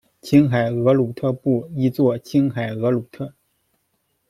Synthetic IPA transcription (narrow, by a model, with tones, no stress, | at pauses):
t͡ɕʰi˥ŋxa˨˩ɪɤ˧˥lu˨˩t̪ʰɤ˥˧pu˥˩i˥t͡swɔ˥˩t͡ɕʰi˥nxa˨˩ɪɤ˧˥lu˨˩t̪ʰɤ˥˩